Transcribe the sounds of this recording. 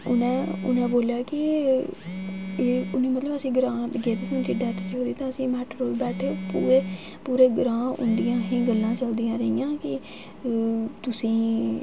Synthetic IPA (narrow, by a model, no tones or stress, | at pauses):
ʊnẽːʊ̰nẽːboːljaːkɪ | ʊnẽːmət̪ləbəsĩːɡɾãːd̪əɡeːt̪esĩʊnt̪ʰiːɖaːt̪et͡ʃəlːd̪iːt̪ãːəsĩːmɛːʈɾoːlbɛːʈʰeːpuːɾeː | puːɾeːɡɾãːʊ̰nd̪ijãːɦĩːɡəlːãːt͡ʃəld̪ijãːɾəijãːkɪ | t̪ʊsĩː